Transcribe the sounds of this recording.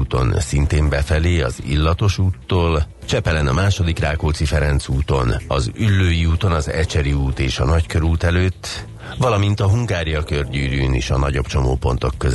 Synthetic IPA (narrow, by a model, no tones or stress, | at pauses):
uːt̪o̞̰nsint̪eːmbɛfɛleːɒ̰zḭlːɒt̪o̞ʃuːt̪ːoːl | t͡ʃɛpɛlɛnɒmaːʃo̞d̪ikraːkoːt̪sifɛɾɛnt̪suːt̪o̞nɒ̰zylːøːjiuːt̪o̞nɒzɛ̰t͡ʃɛɾiuːt̪eːʃɒnɒckøɾuːt̪ɛløːt̪ː | vɒlɒmint̪ɒɦuŋɡaːɾijɒkørɟyːɾyːnḭʃɒ̰nɒɟo̞bt͡ʃo̞mo̰ːpo̞nt̪o̞kːøz